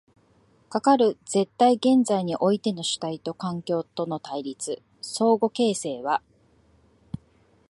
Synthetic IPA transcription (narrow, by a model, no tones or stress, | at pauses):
kakaɾɯ̟d͡z̥e̞t̪ːaiɡẽ̞nd͡zaiɲ̟iʔo̞it̪e̞no̞ɕɨ̥t̪ait̪o̞kãŋkʲo̞ːt̪o̞no̞t̪aiɾʲit͡sɨ | so̞ːɡo̞ke̞ːse̞ːβa